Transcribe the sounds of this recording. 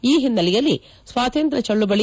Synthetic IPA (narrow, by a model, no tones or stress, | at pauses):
iːɦinːɐlijɐlːi | sʋaːt̪ɐnt̪ɾɐt͡ʃɐɭːubɐɭi